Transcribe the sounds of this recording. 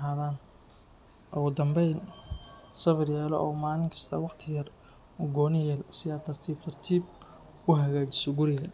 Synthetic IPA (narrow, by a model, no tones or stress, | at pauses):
ɦaːðaːn | ʔʊɣʊd̪ɐmbɛjn | sɐβɪrjaːlɔ̰ʔɔːmaːlɪŋkʰɐ̥st̪ʰɐwɑqt̪ʰɪjɐr | ʊɡɔːnɪjɛlsɪjaːt̪ʰɐrt̪ʰiːbt̪ʰɐrt̪ʰiːb | kʰʊɦɐɣaːd͡ʒɪ̥sɔɡʊɾɪɣɐ